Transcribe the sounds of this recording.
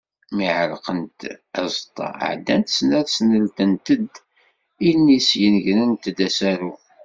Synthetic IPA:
miʕəɾqənt̪æ̰zˤt̪ˤːɑ̰ʕd̪ːænt̪snæɾsnəlt̪ənt̪əd̪ | inːisjənʝnənt̪əd̪æsæɾu

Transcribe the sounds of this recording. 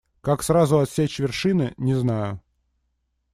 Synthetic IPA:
kaksɾazʊɐt̪sʲet͡ɕvʲɪrʂɨnɨnʲɪznajʊ

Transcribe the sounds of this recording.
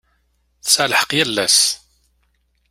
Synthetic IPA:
θsəlħə̥qjælːæs

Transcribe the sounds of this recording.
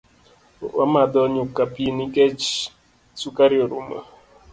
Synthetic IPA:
a̰madɔɲʊkapienikɛt͡ʃ | sukaɾjoɾṵma̰

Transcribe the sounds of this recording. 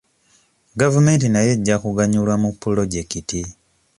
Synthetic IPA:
ɡavume̞ːntinaje̞ɟːakuɡaɲulwamupːulo̞ɟe̞kiti

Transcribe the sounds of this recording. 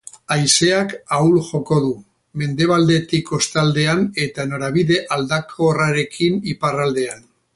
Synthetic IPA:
ajse̞akawlʝo̞ko̞ðu | me̞nd̪e̞β̞ald̪e̞t̪iko̞st̪ald̪e̞ane̞t̪ano̞ɾaβiðe̞ʔald̪akʰo̞raɾe̞kʰiniparald̪e̞an

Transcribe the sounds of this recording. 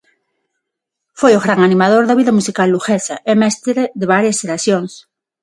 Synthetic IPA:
fojoɣɾaŋanĩmað̞oɾðaβiðɐmusikalːuxesɐ̰ʔemest̪ɾeðeβaɾjaseɾasjoŋs

